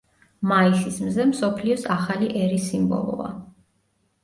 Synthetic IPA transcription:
maisismzɛmsɔpʰliɔsaχaliʔɛɾisimbɔ̰lˠɔ̰a̰

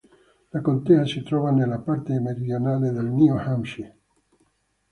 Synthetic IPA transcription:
lakont̪easit̪ɾɔːvanelːapart̪emeɾid̪jonaːled̪elniohamʃi

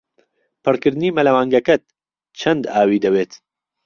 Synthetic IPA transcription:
pʰɨrkɨɾd̪ɨniːmɐlɐwaːŋɡɐkɐt̪̚ | t͡ʃʰɐnd̪aːwiːd̪ɐweːt̪

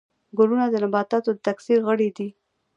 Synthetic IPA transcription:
ɡʊlunad̪ənabɑt̪ɑt̪od̪ət̪aksiɾɣəɽid̪i

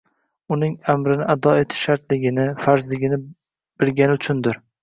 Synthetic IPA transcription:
ʊnɪŋamɾɪnɪad̪ɒe̞t̪ʰɪ̥ʃʃaɾt̪lɪɡʲɪnɪfaɾzlɪɡʲɪnɪ | b̥ɪɾɡʲanɪʊt͡ʃʰʊnd̪ɪɾ

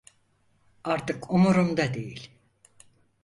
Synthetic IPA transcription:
aɾt̪ɯkʰumuɾumd̪ad̪ejilʲ

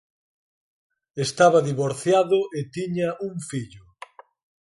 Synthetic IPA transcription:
est̪aβɐðiβoɾθjaðʊʔet̪iɲaʔuŋfiʎʊ

